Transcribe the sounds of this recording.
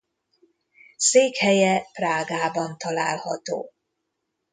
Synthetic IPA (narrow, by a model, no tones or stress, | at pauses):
seːkhɛjɛpraːɡaːbɒnt̪ɒlaːlhɒt̪o̰ː